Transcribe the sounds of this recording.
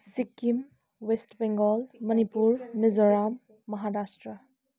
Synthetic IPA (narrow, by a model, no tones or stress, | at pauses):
sikːim | wesʈbɛŋɡɔlmɐnipuɾnizɔɾamː | ɐɦaɾasʈɾə